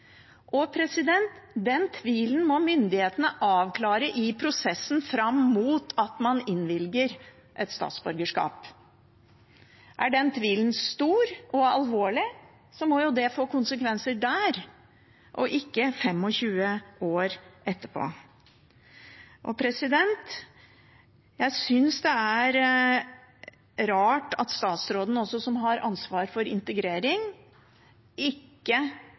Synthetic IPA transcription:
ʔɔpʰɾɛsɪd̪ɛnt̪d̪ɛnt̪ʰʋiːlən̩mɔmʏnd̪ɪheːt̪ənəʔɑːʋkʰlɑːɾəʔɪpʰɾʊsɛsːn̩fɾɑmːuːt̪ʰɑt̪mɑnɪnːʋɪlɡəɾ | ʔɛt̪st̪ɑ̰ːt̪sbœɾɡəʂkɑ̰ːp | ʔæɖɛnt̪ʰʋiːlnst̪uːɾɔɑ̰lʋoːɭɪ | sɔmɔjʊd̪ɛfoːkʊnsəkʰʋɛnsəɖæːɾ | ʔɔ̰ʔɪkːəfɛmːɔɕʉːəoːɾʔɛt̪ːəpʰo̰ː | ʔɔpʰɾɛsɪd̪ɛnt̪ | jæɪsʏnsd̪ɛæɾ | ɾɑːʈɑt̪st̪ɑːt̪sɾoːd̪ən̩ɔsɔsɔmɦɑɾɑ̰nsʋɑːɾfɔɾɪ̰nt̪əɡɾeːɾɪŋ | ɪkːə

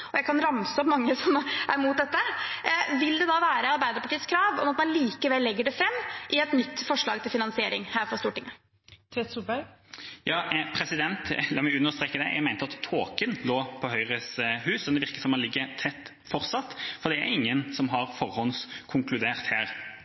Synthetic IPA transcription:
ɔjæɪkʰɑnɾɑmsəɔpmɑŋːəsɔmæɾmuːt̪̚d̪ɛt̪ːə | ʋɪld̪ɛd̪ɑːʋæːɾəɑɾbæɪd̪əɾpɑʈiːəskʰɾɑːʋɔmɑt̪mɑnliːkəʋɛlːɛɡːəɖɛfɾɛmːʔɪɛt̪nʏt̪ːfɔʂɭɑːɡt̪ʰɪlfɪnɑnsɪeːɾɪŋhæːɾfɾɔst̪uːʈɪŋːə | t̪ʰʋeːt̪suːbæɾjɑːpʰɾɛsɪd̪ɛnt̪lɑːmɛʉnːəɾst̪ɾeːkːəd̪ɛ̰jæ̰ɡmæɪnəɑt̪ʰːoːkənloːpʰɔɦœʏɾəsɦʉːsɔnd̪ɛʋɪʁkəsɔmɔlɪɡːət̪ʰɛt̪ː | fɔɾt̪sɑt̪ːfɔɾd̪ɛæɾɪŋːənsɔmɦɑɾfɔɾhɔnskʰʊŋklʉd̪eːʁt̪hæːɾ

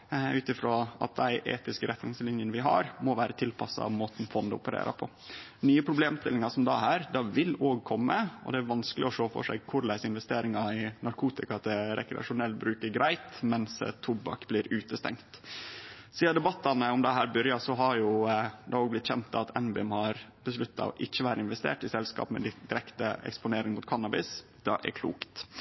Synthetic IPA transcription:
ʉːt̪ɪfɾoːʔɑ̰t̪̚d̪æɪʔḛːt̪ɪskəɾʔɛt̪nɪŋslɪnjənəʋɪɦɑ̰ɾmɔʋæːɾət̪ʰɪlpʰɑsːɑ̰ɑ̰ʋmoːt̪n̩fɔnd̪əʊ̰pəɾḛːɾʔə̰pʰɔ | nyːəpʰɾʊbleːmst̪ɪlɪŋɑsɔmd̪ɑɦæːɾd̪ɑʋɪlːoːɡkʰɔmːəɔ̰d̪ɛæɾʋɑnskəlɪɔʂoːfɔ̰ʂæ̰ɡ̚kʰʊɾlæɪsəɪnʋɛst̪eːɾɪŋɑɪnɑɾkʰuːt̪ɪkɑt̪ʰɛɾɛ̰kɾɛ̰ɑ̰ʂʊnɛlbɾʉːkəɾɡɾæɪt̪mɛnst̪ʰʊbɑ̰kblɪːɾʉːt̪əst̪ɛ̰ŋt̪ | siːɑd̪ɛbɑt̪ːɑnəɔmd̪ɛɦæːɾbœɾjɑsɔɦɑɾjʊd̪ɛoːɡblɪt̪ːçɛnt̪ːɑt̪ʰɛnbɪɛmhɑɾb̥əslʉt̪ʰːɑ̰ɔ̰ʔɪçːəʋæːɾəɪnʋɛst̪ḛːʈɪsɛlskɑ̰ːpmɛ̰d̪ɪd̪ɪɾɛkt̪əɛ̰kspʊneːɾɪŋmʊt̪kʰɑnːɑbɪs | d̪̥ɑ̰ʔɛ̰kʰlṵːkt̪

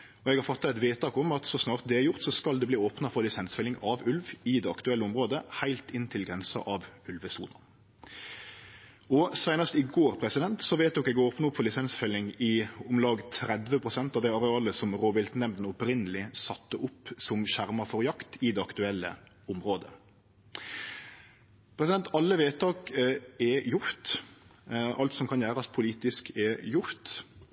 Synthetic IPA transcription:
ɔɛɡhɑɾfɔt̪ːɑt̪ɛt̪ʋeːt̪ʰɑːkɔmɑt̪sɔsnɑːʁt̪̚d̪ɛɛɾjʊɾt̪sɔskɑld̪ɛbliːoːpnɑfɔɾlɪsɛnsfɛlːɪŋɑʋʉlʋɪd̪ɛɑkt̪ʉɛlːəʊmʁoːd̪əhæɪlt̪ɪnt̪ʰɪlɡɾɛnsɑ̰ʔɑʋʉlʋəsṵːnɑ | ɔsæɪnəst̪ɪɡoːɾpʰɾɛsɪd̪ɛnt̪sɔʋeɪt̪̚d̪ɔkɛɡoːpnɑʊpːfɔlɪsɛnsfɛlɪŋɪʊmlɑːɡt̪ʰɾɛd̪ʋəpʰʁʊsɛnt̪ɑʋd̪æɪɑɾɛɑːləsɔmʁoːʋɪlt̪nɛmd̪n̩ɔpɾɪnəlɪsɑt̪ːəʔʊpːsɔmɕæɾmɑfɔɾjɑkt̪ɪd̪ɛɑkt̪ʉɛlːə̰ | ʊmɾoːd̪ə̰ | pʰɾɛsɪd̪ɛnt̪ʰɑlːəʋeːt̪d̪ɔkɛjʊɾt̪ | ʔɑlt̪sɔmkʰɑnjæːɾɑspʰʊliːt̪ɪskɛjʊɾt̪

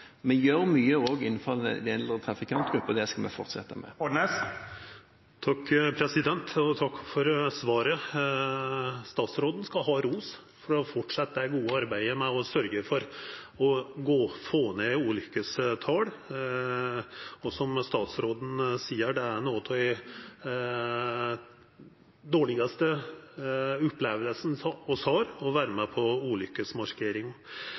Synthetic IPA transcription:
mɛnjøːɾmyːəoːɡɪnːnfɔʁɛ̰d̪ɛnlət̪ʰɾɑfɪkʰɑnt̪ɡɾʉpːɔd̪ɛskɑmɛ̰fɔʁt̪sɛt̪ːəmɛ̰ɔɳes | t̪ʰɑkːpʰɾɛsɪd̪ɛnt̪ɔt̪ʰɑkːfɔɾsʋɑːɾə | st̪ɑːt̪sɾoːd̪n̩skɑɦɑɾuːs | fɔɖɛfɔʈʂɛt̪ːæɡuːəɑɾbæɪəmɛɔsœɾɡəfɔɾ | ɔɡoːfoːneʉːlʏkːəst̪ʰɑːɽ | ɔsɔmst̪ɑːt̪sɾoːd̪n̩siːəɖɛæɾnoːt̪ʰːd̪æɪ | d̪oːɭɪɡɑst̪ə | ʊpleːʋəlsn̩ɔshɑːɾɔʋæːɾəmɛpʰɔuːlʏkːəsmɑʂkʰeːɾɪŋɔ

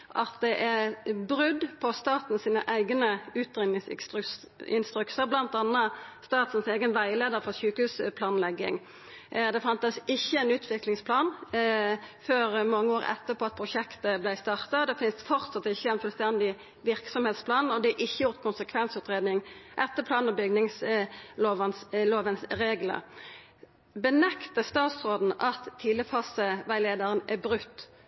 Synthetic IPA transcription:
ʔɑ̰t̪d̪ɛʔæʁbɾʏd̪pʰɔst̪ɑːt̪n̩siːnəʔæɪɡnəʉːt̪ʁɪnɪŋsst̪ | ɪnst̪ɾʉksəʁblɑnt̪ɑnːəst̪ɑːt̪n̩seːɡənʋæɪleːd̪əʁəfɔʁɕʉːkəʉːspʰlɑːnlɛɡːɪ̰ŋ | d̪ɛfɑnt̪əsɪçːəæɪnʉːt̪ʰʋɪklɪŋspʰlɑːn | føːɾmɑŋːəoːʁɛ̰t̪ːəpʰɔɑt̪̚pʰʁʊʃɛkt̪əblæɪst̪ɑːʁt̪ɑd̪ɛfɪnst̪fɔʁt̪sɑt̪ːɪçːəæɪnfʉlst̪ɛnd̪ɪ | ʋɪɾksɔmheːt̪spʰlɑːnɔd̪ɛɑʔɪçːəjʊɾt̪̚kʰʊnsəkʰʋɛnsʉːt̪ʁeːd̪nɪŋʔɛt̪ːəpʰlɑːnɔbʏɡnɪŋsloːʋənsloːʋənsɾeːɡlə̰ | bənɛkt̪əst̪ɑːt̪sʁoːd̪n̩ɑt̪ʰːɪːləfɑːsəʋæɪleːd̪əɾənæbɾʉkt̪ː

